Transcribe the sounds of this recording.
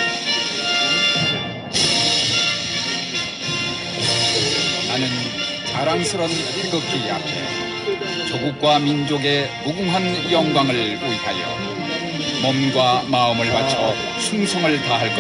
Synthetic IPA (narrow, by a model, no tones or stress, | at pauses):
nanɯn | taɾaŋsʰɯɾʌnteɡʌk͈ʰia̰pʰḛ | t͡ɕoɡuk̚k͈wamind͡ʑoɡe̞muɡuŋɦanjʌŋɡwaŋɯɭuikʰajʌ̰ | mʌmɡwamaɯmɯɭmat͡ɕʰʌ | sʰuŋsʰʌŋɯɭtaɦaɭk͈ʌ